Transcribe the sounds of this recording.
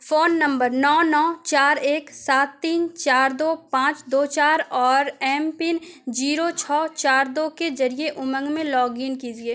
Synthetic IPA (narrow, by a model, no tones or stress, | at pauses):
foːnːɐ̃mbəɾnɔːnɔːt͡ʃaːɾeːksaːt̪ːiːnt͡ʃaːɾd̪oːpãːt͡ʃd̪oːt͡ʃaːɾɔːɾɛːmpɪnd͡ʒiːɾot͡ʃʰɔːt͡ʃaːɾd̪oːked͡ʒɐɾieʔʊmə̃ŋɡmẽlɔːɡɪnkiːd͡ʒieː